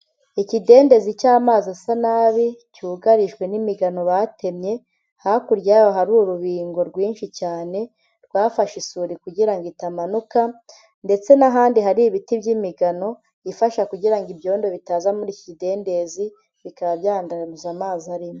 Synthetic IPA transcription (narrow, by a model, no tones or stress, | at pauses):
icide̞ːnde̞zicaːmaːzasanaβicuːɡaɾiʒɡwe̞nimiɡano̞βate̞mɲe̞ | hakuɾjajoɦaɾuːɾuβiːŋɡo̞ɾɡwiːnʃicaːne̞ | ɾɡwaːfaʃisuɾikuɟiɾaŋɡitamanuka | nde̞t͡se̞naɦaːndiɦaɾiβitibɟimiɡano̞ | ifaʃakuɟiɾaŋɡibjo̞ːndo̞βitaːzamuɾicide̞ːnde̞zi | βikaβabjaːndanuzamaːzaɾimo